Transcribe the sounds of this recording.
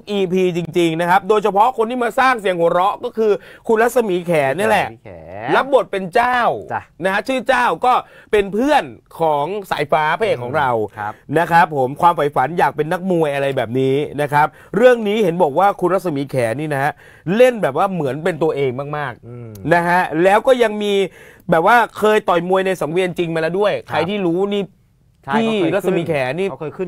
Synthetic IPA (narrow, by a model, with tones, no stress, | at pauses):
ʔiː˧pʰiː˧t͡ɕi˧ŋt͡ɕi˧ŋna˦˥kʰa˦˥p̚doː˧jt͡ɕʰa˧pʰɔ˦˥kʰo˧nt̪ʰiː˥˩maː˧saː˥˩ŋsi˨˩˦əŋhu˩˦ɾɔ˦˥ʔkɔː˥˩kʰɯː˧kʰu˧nɾa˦˥t̪̚sa˧miː˩˦kʰɛː˩˦ni˥˩əlɛ˨˩ʔla˦˥p̚bo˨˩t̪̚pe˧nt͡ɕaː˥˩wna˦kʰa˦˥t͡ɕʰɯː˥˩t͡ɕaː˥˩wkɔː˥˩pe˧npʰɯ˥˩ənkʰɔː˩˦ŋsa̰ː˩˦jfaː˦˥pʰaː˦˥eː˨˩kʰɔː˩˦ŋɾa˧wna˦˥kʰɾa˦˥pʰːo˨˩˦mkʰwaː˧mfa˨˩˦jfa˩˦njaː˨˩k̚pe˧nːa˦˥k̚mu˧əjʔa˧ɾa˧jbɛː˨˩p̚niː˦˥na˦˥kʰa˦˥p̚ | ɾɯ˥˩əŋniː˦˥he˩˦nbɔː˨˩k̚waː˥˩kʰu˧nɾa˦˥t̪̚sa˧miː˨˦kʰɛː˩˦niː˥˩na˦˥ha˦˧˥ | le˥˩nbɛː˨˩p̚waː˥˩mɯ˩˦ənpe˧nt̪u˧ɐʔeː˧ŋmaː˥˩k̚maː˥˩k̚na˦˥kʰa˦˥lɛː˦˥wkɔː˥˩ja˧ŋmiː˧bɛː˨˩p̚waː˥˩kʰɤː˧jt̪ɔ˨˩jmu˧əjna˧jsa˨˩˦ŋwi˧ənt͡ɕi˧ŋmaː˧lɛː˦˥du˥˩əjkʰa˧jt̪ʰiː˥˩ɾuː˦˥niː˥˩ | iː˥˩ɾa˦˥t̚sa˧miː˨˩˦kʰɛː˩˦niː˥˩˧ɯ˥˨